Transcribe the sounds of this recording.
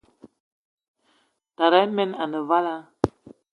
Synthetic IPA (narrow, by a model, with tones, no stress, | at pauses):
ta˨ɾɛ˨˦mɛ˦na˨nə˨va˦la˦